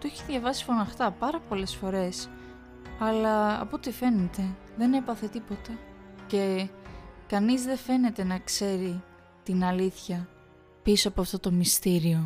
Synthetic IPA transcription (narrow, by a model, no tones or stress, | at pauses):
t̪oe̞çiðʝɐvɐsi̥fo̞nɐxt̪ɐpɐɾɐpo̞le̞sfo̞ɾe̞s | ɐlɐɐ̰po̞t̪ife̞ne̞t̪e̞ | ðe̞ne̞pɐθe̞t̪ipo̞t̪ɐce̞ | kɐnizðe̞fe̞ne̞t̪e̞nɐkse̞ɾi | t̪inɐliθçɐ | pisoɐpoɐft̪o̞t̪o̞mist̪iɾio̞